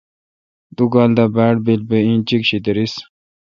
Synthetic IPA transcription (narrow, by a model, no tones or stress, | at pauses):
d̪uɡaːld̪abæːɽbilbeĩːt͡ɕikɕit̪ɐɾis